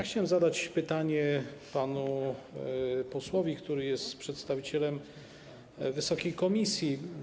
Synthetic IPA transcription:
axt͡ɕawɛmzad̪at͡ɕpɘt̪aɲɛpanu | pɔswɔvʲikt̪uɾɘjɛst̪pʂɛt̪st̪avʲit͡ɕɛlɛm | vɘsɔkʲejkɔmʲisʲji

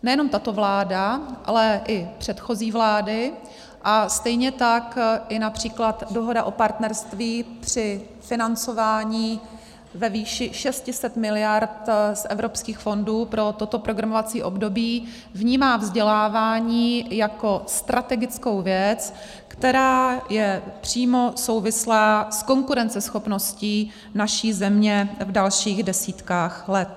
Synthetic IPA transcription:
nɛjɛno̞mt̪at̪o̞vlaːdaʔa̰lɛʔɪpr̥ɛt̪xo̞ziːvlaːdɪ | ʔast̪ɛjɲɛt̪akʔɪnapr̝̥iːklat̪do̞ɦo̞daʔo̞paɾt̪nɛɾst̪viːpr̝̥ɪ | fɪnant͡so̞vaːɲiː | vɛviːʃɪʃɛscɪsɛt̪mɪlɪjaɾt̪sʔɛvɾo̞pskiːxfo̞nduːpɾo̞t̪o̞t̪o̞pɾo̞ɡɾamovat͡siːʔo̞bdo̞biː | vɲiːmaːvzɟɛlaːvaːɲiːjako̞st̪ɾat̪ɛɡɪt͡skowvjɛt͡s | kt̪ɛɾaːjɛpr̝̥iːmo̞so̞wvɪslaːsko̞ŋkuɾɛnt͡sɛsxo̞pno̞sciː | naʃiːzɛmɲɛvdalʃiːɣdɛsiːt̪kaːxlɛt̪̚

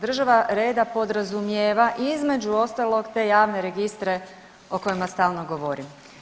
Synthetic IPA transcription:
d̪r̩ʒaʋaɾe̞ːd̪apo̞d̪ɾazumjeːʋaʔizme̞d͡ʒuo̞st̪alˠo̞ɡt̪e̞jaːʋne̞ɾe̞ɡist̪ɾe̞ | oko̞jimast̪aːlˠno̞ɡo̞ʋo̞ɾim

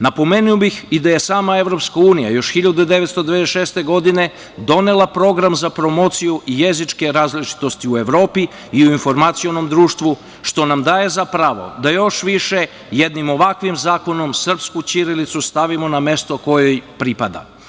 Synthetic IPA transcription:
napo̞me̞nuobixid̪aje̞saːmae̞ʋɾopskauːnija̰jo̞ʃxiʎad̪ud̪e̞ʋet̪st̪od̪eʋeesʃest̪e̞ɡo̞d̪ine̞ | d̪o̞ne̞lˠapɾo̞ɡɾamzapɾo̞mo̞t̪sijuʔijezit͡ʃke̞ɾaːzlit͡ʃi̥t̪o̞st̪iue̞ʋɾo̞ːpiː | uinfo̞ɾmat̪sio̞no̞md̪ɾuːʃt̪ʋu | ʃt̪o̞namd̪aːje̞zapɾaʋo̞̰d̪ajo̞ʃʋiʃe̞ | jed̪nimo̞ʋakʋimzaːko̞no̞msr̩pskut͡ʃiɾilit̪sust̪aʋimo̞name̞st̪o̞ko̞jojpɾipad̪a̰

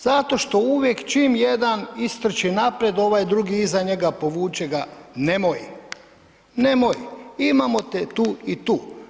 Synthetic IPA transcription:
z̥at̪o̞ʃt̪o̞uʋjekt͡ʃimje̞d̪anist̪r̩t͡ʃinapɾjed̪o̞ʋajd̪ɾuɡiizaɲe̞ɡapo̞ʋuːt͡ʃeɡane̞moj | ne̞mojimamo̞t̪et̪uːit̪uː

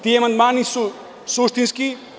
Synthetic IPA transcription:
t̪iemɐnd̪maniso | sosʰt̪inski

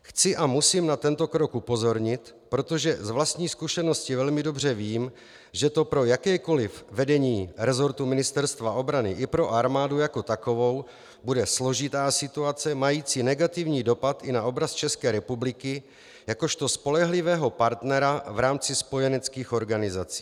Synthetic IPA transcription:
xt͡sɪʔamusiːmnat̪ɛnt̪o̞kɾo̞kupo̞zo̞ɾɲɪt̪ | pɾo̞t̪oʒɛzvlast̪ɲiːskuʃɛno̞scɪvɛlmɪdo̞br̝ɛviːm | ʒɛt̪o̞pɾo̞jakɛːko̞lɪfvɛdɛɲiːɾɛzo̞ɾt̪umɪnɪst̪ɛɾst̪vaʔo̞bɾanɪʔɪpɾo̞ʔaɾmaːdujako̞t̪ako̞vo̞w | budɛslo̞ʒɪt̪aːsɪt̪uat͡sɛmajiːt͡sinɛɡat̪ɪvɲiːdo̞pat̪ɪnaʔo̞bɾast̪t͡ʃɛskɛːɾɛpublɪkɪ | jako̞ʃt̪o̞spo̞lɛɦlɪvɛːɦo̞paɾt̪nɛɾavɾaːmt͡sɪspo̞jɛnɛt͡skiːxo̞ɾɡanɪzat͡si̥ː

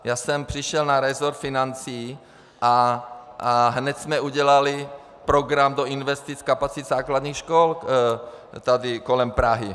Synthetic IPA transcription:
jaːsɛmpr̥iʃɛlnaɾɛzoɾt̪finant͡siː | ʔa | ɦnɛt̪smɛuɟɛlali | pɾoɡɾamd̪oinvɛst̪it͡skapat͡sit̪zaːklad̪ɲiːxʃkol | t̪ad̪ɪkolɛmpɾaɦi

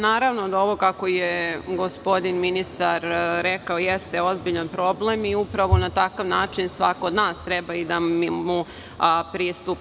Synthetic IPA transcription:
naːɾaʋnod̪ao̞ʋo̞kako̞jeɡo̞spo̞d̪inminist̪aɾɾekaojest̪eo̞zbiʎanpɾo̞blemiupɾaʋo̞nat̪akaʋnaːt͡ʃinsʋakood̪naːst̪ɾɛbaid̪ammu | pɾiːst̪up

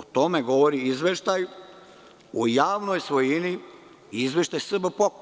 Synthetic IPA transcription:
ot̪omeɡoʋoɾiizʋeʃt̪aju | ujaːʋnojsʋojini | izʋeʃt̪ajsr̩bapok

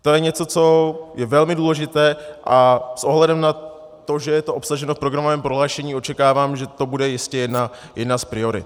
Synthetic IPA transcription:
t̪o̞jɛɲɛt͡so̞t͡so̞jɛvɛlmɪduːlɛʒɪt̪ɛːʔasʔo̞ɦlɛdɛmna | t̪o̞ʒɛjɛt̪o̞ʔopsaʒɛnofpɾo̞ɡɾamovɛːmpɾoɦlaːʃɛɲiːo̞t͡ʃɛkaːvaːmʒɛt̪o̞budɛjɪscɛjɛdna | jɛdnaspɾɪo̞ɾɪ̰t̪

